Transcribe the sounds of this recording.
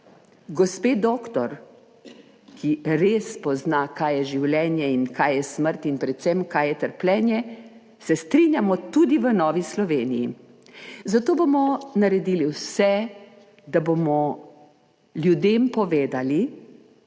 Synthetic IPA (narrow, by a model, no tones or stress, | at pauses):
ɡɔspeːd̪oːkt̪ɔɾ | kʰiɾeːspɔznakaːjɛʒiwlɛːnjɛinkajjɛsməɾt̪inpɾɛt̪sɛmkaːjɛt̪əɾplɛːnjɛ | sɛst̪ɾinjamɔt̪ud̪iʋənɔːʋislɔʋeːniji | zat̪oːbomɔnaɾɛd̪iliwsɛ | d̪abomɔ | ljud̪eːmpɔʋeːd̪ali